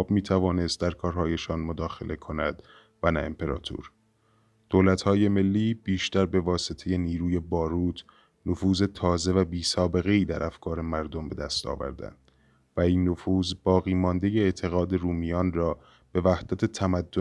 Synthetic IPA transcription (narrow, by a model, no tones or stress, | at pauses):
bmiːt̪ʰævɒːne̞st̪̚d̪æɾkʰɒːɾɦɒːje̞ʃɒːnmod̪ɒːxe̞̰lʔe̞kʰo̞næd̪̥ | vænæḛmpʰe̞ɾɒ̰ːt̪ʰṵɾ | d̪̥oːlæt̪hɒːje̞me̞lːiːb̥iːʃt̪æɾbe̞vɒːse̞t̪ʰe̞je̞niːɾuːje̞bɒːɾuːt̪ʰ | nofuːze̞t̪ʰɒːze̞væbiːsɒːbe̞ɣeiːd̪æɾʔæfkʰɒːɾe̞mæɾd̪o̞mbe̞d̪æ̰st̪ɒ̰ːvæ̰ɾd̪æ̰nd̪̥ | væiːnːofuːzbɒːɣiːmɒnd̪eje̞eʔt̪ʰe̞ɣɒːd̪e̞ɾuːmijɒːnrɒː | b̥e̞væhd̪̥æt̪ʰe̞t̪ʰæmæd̪ːo